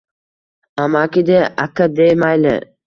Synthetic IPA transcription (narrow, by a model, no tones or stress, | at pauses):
amakʲid̪eakad̪ejmajlɪ̰